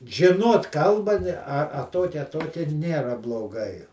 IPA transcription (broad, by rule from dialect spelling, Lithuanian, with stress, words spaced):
ʒʲɪˈnoːt ˈkɐlˠbɐ ˈnʲɛ ɐ ˈtoːkʲɛ ɐ ˈtoːkʲɛˈnʲeːrɐ blˠoːˈɡɐɪ